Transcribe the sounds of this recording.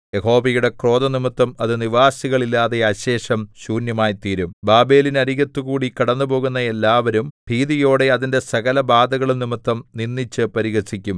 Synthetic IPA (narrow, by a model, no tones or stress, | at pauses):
jeɦo̞ːbɐjuɽe̞kro̞ːd̪ɐnimɨt̪ːɐmɐðɨniʋaːsiɣɐɭilːaːðe̞ɐɕe̞ːʂɐmɕuːnjɐmaːjt̪iːɾumbaːbe̞ːlinɐɾiɣɐt̪ːukuːɽikɐɽɐnːupo̞ːɣunːɐe̞lːaːʋɐɾumpiːðijo̞ːɽe̞ɐðinde̞sɐɣɐlɐbaːd̪ɐɣɐɭinimɐt̪ːɐmninːit͡ɕːɨpɐɾiɣɐsikʲːum